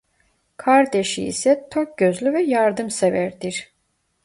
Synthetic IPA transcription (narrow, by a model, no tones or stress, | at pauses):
kʰaɾd̪eʃiḭsɛt̪ʰok̚ɟ̥øzlʲyvɛjaɾd̪ɯmsevæɾd̪iɾ̥